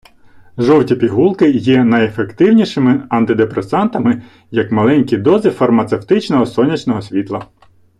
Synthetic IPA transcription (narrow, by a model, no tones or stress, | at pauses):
ʒɔwtʲipʲiɦulˠkɪjɛnɐjefe̞kt̪ɪwnʲiʃɪmɪɐnt̪ɪd̪epɾesɑnt̪ɐmɪ | jɐkmɐlˠɛnʲkʲid̪ɔzɪfɐrmɐt̪se̞wt̪ɪt͡ʃnɔɦɔsɔnʲit͡ʃnɔɦɔsʲʋʲit̪lˠɐ